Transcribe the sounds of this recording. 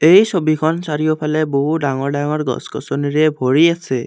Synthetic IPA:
eɦisɔbikʰɔnsaɾiɔpʰaleboɦuɖaŋɔɾɖaŋɔɾɡɔ̰skɔ̰sɔniɾebʱoɽiasʰe

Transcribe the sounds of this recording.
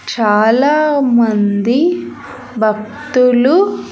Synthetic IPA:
t͡ʃaːlaːmɐnd̪i | bʱɐkt̪ulu

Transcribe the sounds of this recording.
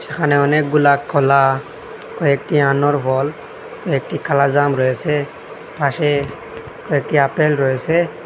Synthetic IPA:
sɛxʰanɛɔnɛk̚ɡulakʰːɔla | kɔjɛk̚tianɔɹbʱɔl | kɔjɛk̚tikʰalazamɹojɛsɛ | pʰasɛ | kɔjɛk̚tiapɛlɹojɛsɛ

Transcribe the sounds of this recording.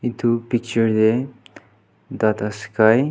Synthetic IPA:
it̪ʰupik̚t͡ʃəɾd̪e | d̪at̪askaj

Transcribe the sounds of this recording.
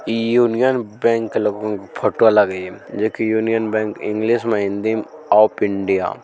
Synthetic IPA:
juːnijənbɛ̃ːŋkloɡõŋkpʰoʈolaɡəid͡ʒoːkijuːnijənbɛ̃ːŋkɪ̃ŋɡliʃmãɪ̃nd̪imaːpɪɳɖija̰ː

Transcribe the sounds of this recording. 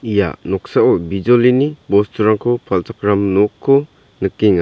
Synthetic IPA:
ija̰nɔk̚saʔɔbid͡ʒɔlinibɔstʰuɾaŋkʰɔpʰaltakɾamnɔkʰːɔ | nɯk̚ːiŋa

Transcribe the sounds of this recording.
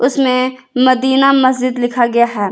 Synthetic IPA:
ʊsmẽ | mɐd̪iːnamɐsd͡ʒɪd̪lɪkʰaɡɐjaɦɛː

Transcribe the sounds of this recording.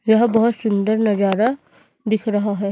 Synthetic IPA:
jɐɦbɐɦʊt̪sʊnd̪əɾnɐd͡ʒaːɾa | d̪ɪkʰɾɐɦaɦɛː

